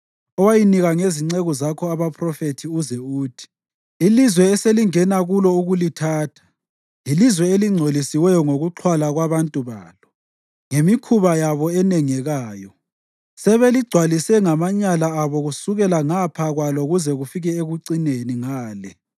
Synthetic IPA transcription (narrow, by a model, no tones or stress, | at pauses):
ɔwajiniɣaŋeziŋ͡ǀeɣɔzakʰɔaβapʰrɔfetʰiuzɛuːtʰi̥ | ilizwɛːseliŋɛnaɣulɔuɣulitʰaːtʰḁ | ilizwɛeliŋ͡ǀʱolisiwɛjɔŋoɣuǁʰwalaɣwaβantʼuβaːlɔ | ŋemikʰuβajaβɔɛnɛŋɛɣaːjɔ | sɛβeliɡ͡ǀʱwalisɛŋamaɲalaːβɔɣusuɣɛlaŋapʰaɣwaloɣuzɛɣufiɣɛeɣuǀineniŋaːlɛ